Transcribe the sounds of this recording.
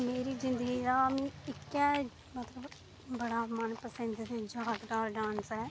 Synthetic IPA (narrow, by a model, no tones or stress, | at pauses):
meːɾiːzɪ̃nd̪əɡiːd̪aːmĩːɪkːɛː | mət̪ləb | bəɽaːmənpəsə̃nd̪d̪ed͡ʒaɦaːd̪ɖaːɾɖãːnsɛː